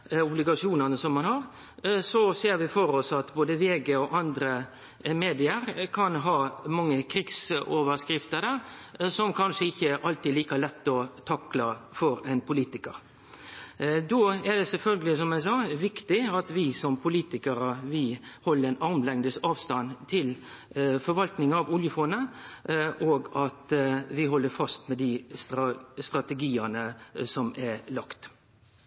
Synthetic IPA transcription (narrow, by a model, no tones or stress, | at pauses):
ʊblɪɡɑʂɪuːnənəsɔmːɑnhɑɾ | sɔseːɾʋɪfɔɾɔsɑt̪boːd̪əʋeːɡeɔʔɑnd̪ɾə | meːd̪ɪəɾkʰɑnɦɑːmɑŋːəkʰɾɪksoːʋəɾskɾɪft̪əɾd̪æʁsɔmkʰɑnʂəɪçːəʔɑlt̪ɪd̪liːkɑlɛt̪ːɔt̪ʰɑklɑfɔɾɛnpʰʊliːt̪ɪkəɾ | d̪oːæd̪ɛsɛlfœlɡəlɪsɔmæɪsɑːʋɪkt̪ɪɑt̪ʋɪsɔmpʰʊliːt̪ɪkəɾəʋɪhɔlːəɾɛnɑʁmlɛŋd̪əsɑːʋst̪ɑnt̪ʰɪlfɔɾʋɑlt̪nɪŋɑʋʊljəfoːnə | ʔoːɡɑt̪ʋɪɦɔlːəɾfɑst̪mɛd̪ɪst̪ɾɑst̪ɾɑt̪ɛɡiːənəsɔmɛlɑkt̪